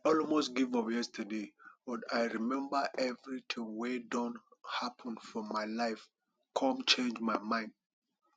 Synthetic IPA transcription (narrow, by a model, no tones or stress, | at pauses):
ɔlmostɡivɔpjɛstʰədebɔtaɪɹimɛ̃mbəʔɛvɹitʰĩŋwedɔ̃nhapʰɔ̃nfɔmaɪlaɪf | kʰɔ̃mt͡ʃẽnd͡ʒmaɪmãɪ̃nd̥̚